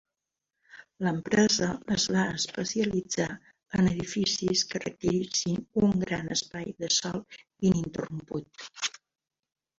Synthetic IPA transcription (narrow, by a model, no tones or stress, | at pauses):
ləmpɾɛzəːzβaəspəsiəlid͡za | ənəðifisiskərə̰kt̪iɾisinuŋɡɾanəspajðəsɔlˠ | inint̪ə̰rumput̪̚